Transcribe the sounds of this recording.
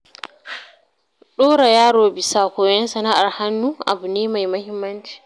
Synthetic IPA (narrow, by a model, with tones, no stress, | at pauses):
ɗɔː˦ɾa˨jaː˦ɾoː˨bi˨sa˨kɔː˨jɛ˦nsa˨na˦ʔa˨ɾha˦nːuʔa̰˨bu˨neː˦ma˨jma˦hi˦mːɐ˦nt͡ʃi̥˨